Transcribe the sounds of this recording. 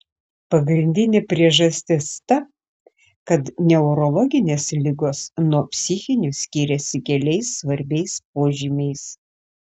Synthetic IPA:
pɐɡɾʲɪnʲd̪ʲɪnʲepʲɾʲiɛʒɐsʲt̪ʲɪst̪ɐ | kɐt̪nʲɛʊɾɔlˠɔɡʲɪnʲeːslʲɪɡoːsnuɔpʲsʲɪxʲɪnʲʊsʲkʲiːɾʲɛsʲɪkʲɛlʲɛɪsːʋɐɾʲbʲɛɪspoːʒʲimʲɛɪs

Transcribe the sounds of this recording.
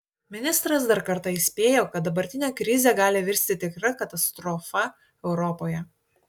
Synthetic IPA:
mʲɪnʲɪst̪ɾɐsd̪ɐɾkɐɾt̪ɑɪsʲpʲeːjoːkɐt̪̚d̪ɐbɐɾʲt̪ʲɪnʲeːkɾʲɪzʲɛːɡɑːlʲɪʋʲɪɾʲsʲt̪ʲɪt̪ʲɪkɾɐkɐt̪ɐst̪ɾɔfɐ | ɛʊɾɔpoːjɛ

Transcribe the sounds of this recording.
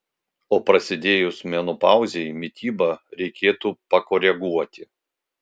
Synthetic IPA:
oːpɾɐsʲɪd̪ʲeːjʊsmʲɛnʊpɑˑʊzʲɛɪmʲɪt̪ʲiːbɐɾʲɛɪkʲeːt̪uːpɐkoːɾʲɛɡuɔt̪ʲɪ

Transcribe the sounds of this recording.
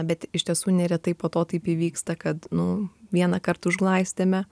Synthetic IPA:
bʲɛt̪ɪʃʲt̪ʲiɛsuːnʲɛɾʲɛt̪ɐɪpoːt̪oːt̪ɐɪpiːʋʲiːkst̪ɐkɐt̪nʊʋʲiɛnɐkɐɾt̪ʊʒɡlˠɐɪsʲt̪ʲemʲɛ

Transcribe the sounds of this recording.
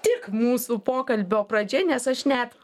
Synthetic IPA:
t̪ʲɪkmuːsuːpoːkɐlʲbʲoːpɾɐd͡ʒʲɛnʲɛsɐʃnʲɛt̪

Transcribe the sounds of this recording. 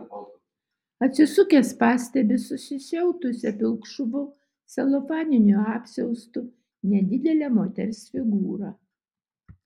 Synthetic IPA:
ɐt̪ʲsʲɪsʊkʲespɑːsʲt̪ʲɛbʲɪsʊsʲɪʃʲɛʊt̪ʊsʲɛpʲɪlˠkʃʊʋʊ | sɐlˠɔfɑːnʲɪnʲuɑːpʲsʲɛʊst̪ʊ | nʲɛd̪ʲɪd̪ʲɛlʲɛːmoːt̪ʲɛɾʲsʲfʲɪɡuːɾɑː

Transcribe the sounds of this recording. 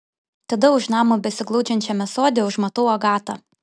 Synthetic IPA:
t̪ɐd̪ɐʊʃnɑːmobʲɛsʲɪɡlˠɔʊd͡ʒʲɛnʲt͡ʃʲɛmʲɛsoːd̪ʲɪʊʃmɐt̪oːoɡɑːt̪ɑ

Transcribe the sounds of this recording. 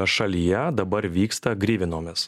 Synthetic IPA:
ɛʃɐlʲijɛd̪ɐbɐɾʋʲiːkst̪ɐɡɾʲiːʋʲɪnoːmʲɪs

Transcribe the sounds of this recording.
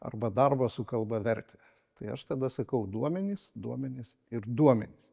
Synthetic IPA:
ɐ̰rbɐd̪ɐrbɐsʊkɐlˠbɐʋʲɛɾʲt̪ʲe | t̪ɐɪɐʃt̪ɐd̪ɐsɐkɐʊd̪uɔmʲɛnʲisd̪uɔmʲɛnʲis | ɪɾd̪uɔmʲɛnʲis

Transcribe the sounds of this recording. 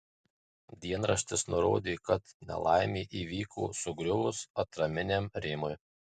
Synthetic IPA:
d̪ʲiɛnɾɐʃʲt̪ʲɪsnʊɾo̰ːd̪ʲeːkɐt̪nʲɛ̰lˠɑ̰ɪmʲeːʔiːʋʲiːkʰo̰ːsʊɡɾʲʊʋʊsɐt̪ɾɐmʲɪnʲemɾʲɪmʊj

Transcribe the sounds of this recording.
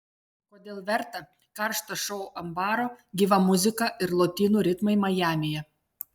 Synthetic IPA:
koːd̪ʲeːlˠʋʲɛɾt̪ɐ | kɐɾʃt̪ɐʃɔʊʔɐmbɑːɾoːɡʲiːʋɐmʊzʲɪkɑʔɪɾlˠoːt̪ʲiːnuːɾʲɪt̪mɐɪmɐjæːmʲɪjɛ

